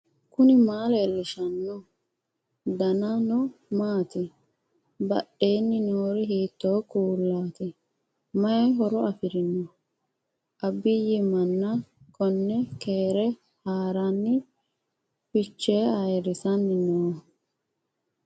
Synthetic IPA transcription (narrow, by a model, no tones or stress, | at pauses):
kʊnɪmaːlelːɪʃɐnːɔ | d̪ɐnɐnɔmaːt̪ɪ | bɐɗeːnːɪnoːɾɪɦiːt̪ːoːkuːlːaːt̪ɪ | mɐjɛɦɔɾɔɐfɪɾɪnːɔ | ʔɐbːɪjɪmɐnːɐkʰɔnːɛkeːɾɛ | haːɾanːɪ | fɪt͡ʃːeːɐjɛɾɪsɐnːɪnoː